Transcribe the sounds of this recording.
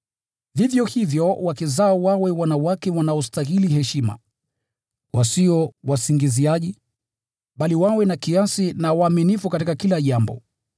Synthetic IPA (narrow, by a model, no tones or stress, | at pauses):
vivjɔhivjɔwakizaɔwawɛwanawakɛwanaɔstahilihɛʃima̰ | wʔasiɔwasiŋɡiziaʄi | ɓaliwawɛnakiasinawaːminifukatikakilaʄambɔ̰